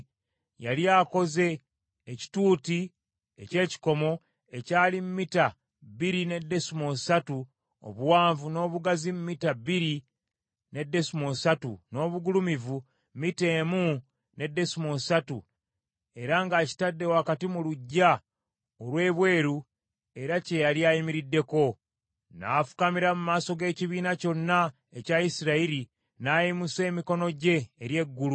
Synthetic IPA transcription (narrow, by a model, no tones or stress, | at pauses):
jaljaːko̞ze̞ː | ci̥tuːti | ḛce̞ːci̥ko̞mo̞ | e̞caːlimmita | βiɾine̞dːe̞sumo̞satu | o̰βuwaːɱvuno̞ːβuɡazimumitabiɾi | ne̞dːe̞simosatṵno̞ːβuɡulumivu | mite̞ːmu | ne̞dːe̞simosatu | e̞ɾaŋɡaːci̥tadːe̞wakatimuluɟːa | olwe̞ːβwe̞ːɾu | e̞ɾace̞jaliajimiɾidːe̞ko̞ | na̰fu̥kamiɾamumaːso̞ɡe̞ːciβiːnaco̞nːa | ecaisiɾaiɾi | naːjimuse̞ːmiko̞no̞ɟe̞ːɾje̞ɡːulu